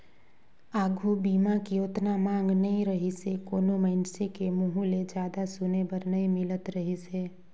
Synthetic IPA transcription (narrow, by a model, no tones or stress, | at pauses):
aːɡʱubiːmakioːt̪namãːŋɡnɐɦĩɾəɦisekoːnoməɪnsekemʊɦuled͡ʒjaːd̪asʊnebəɾnɐɦĩmɪlət̪ɾəɦiseː